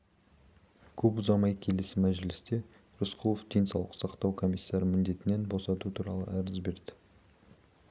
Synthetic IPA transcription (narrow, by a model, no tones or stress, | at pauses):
kʲʰɵpʊzɑmɑjkʲʰe̞lɪsɪmæʒɪlɪst̪e̞ | ɾʊsqʰulˠofd̪̥e̞jnsɑwlˠə̥qsɑqt̪ɑwkʰo̞mijsːɑɾəmɪnd̪e̞t̪ɪne̞nbo̞sɑt̪ut̪ʰuɾɑlˠə̰æɾɪzbe̞ɾd̪ɪ̥